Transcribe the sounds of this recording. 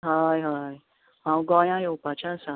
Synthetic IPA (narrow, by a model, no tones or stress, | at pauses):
ɦajɦaj | ãw̃ɡɔjãjopat͡ʃʰasa